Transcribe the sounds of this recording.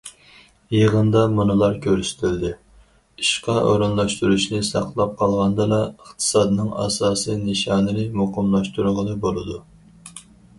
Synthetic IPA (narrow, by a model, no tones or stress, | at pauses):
jeʁənd̪ɑmunɨlˠɑɾkʲʰøɾysɪ̥t̪ʰɪld̪ɪ | iʃqɑʔoɾɨnlˠɑʃt̪uɾuʃnɪsɑ̰qlˠɑp̚qʰɑlˠʁɑnd̪ɨlɑəχt̪ʰɨ̥sɑd̪nɨŋɑ̰sɑːsijnɨʃɑːnɨnɪmoqəmlˠɑʃt̪uɾʁənɨbolˠɨd̪u